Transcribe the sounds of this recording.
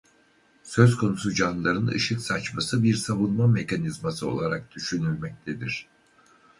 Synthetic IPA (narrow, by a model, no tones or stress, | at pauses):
sø̞zkʰo̞nusud͡ʒanlˠaɾɯnɯ̰ʃɯksat͡ʃmasɯbiɾsavunmame̞kanizmasɯo̞̰lˠaɾak̚d̪̥yʃynylʲmɛc̚t̪ʰed̪iɾ̝̥